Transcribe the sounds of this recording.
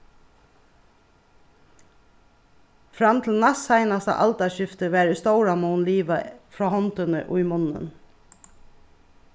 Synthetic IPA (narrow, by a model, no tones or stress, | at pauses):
fɾamt̪ʰɪlnasaɪnast̪ə̰ʔɑ̰lt̪aʃɪft̪əʋæːɾəst̪owɾamuːnliːʋafɹɑːhɔnt̪ənə̰ʔʊ̰jmʊnːə̰n